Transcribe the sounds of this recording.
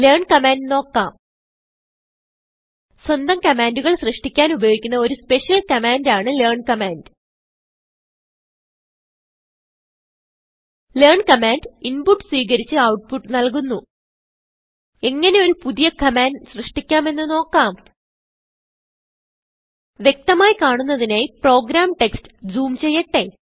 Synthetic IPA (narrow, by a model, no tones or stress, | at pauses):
leːrɳkɐmaːnɖno̞ːkːaːm | swɐnd̪ɐmkɐmaːnduɣɐɭɕrɨʂʈikʲːaːnubɐjoːɡikʲːunːɐo̞ɾuspe̞ɕijɐlkɐmaːndaːɳɨleːrɳkɐmaːnd | leːrɳkɐmaːnɖinpuʈːswiːɣɐɾit͡ɕːɨɐwʈ̚puʈːnɐlkunːu | e̞ŋːɐne̞o̞ɾupuðijɐkɐmaːnɖsrɨʂʈikʲːaːme̞nːɨno̞ːkːaːm | ʋje̞k̚t̪ɐmaːjikaːɳunːɐðinejpro̞ːɡɾaːmʈekstɨ̥d͡ʑuːmt͡ɕejːɐʈːe̞